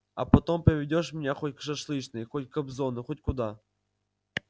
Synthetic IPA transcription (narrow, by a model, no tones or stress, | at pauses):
ɐ̰pɐt̪ompɾʲɪvʲɪdʲoʂmʲɪnʲaxotʲkʂɐʂlˠɨt͡ɕnɨjxotʲkɐbzonɨxotʲkʊd̪a